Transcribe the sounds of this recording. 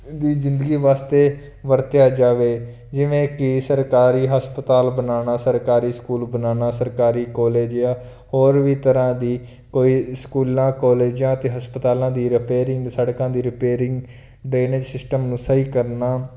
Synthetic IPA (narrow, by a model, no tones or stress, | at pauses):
d̪iːzɪ̃nd̪əɡiːʋaːst̪eː | ʋəɾt̪ejaːd͡ʒaːʋeː | d͡ʒɪʋẽːkɪsəɾkaːɾiːɦəspət̪aːlbənaːnaːsəɾkaːɾiːskuːlbənaːnaːsəɾkaːɾiːkɔːleːd͡ʒjaː | hoːɾʋiːt̪əɾãːd̪iː | koːiːskuːlãːkɔːleːd͡ʒjãːət̪eːɦəspət̪aːlãːd̪iːɾɪpeːɾɪŋɡsəɽkãːd̪iːɾɪpeːɾɪŋɡ | ɖɾeːneːd͡ʒsɪsʈəmnũːsəiːkəɾnaː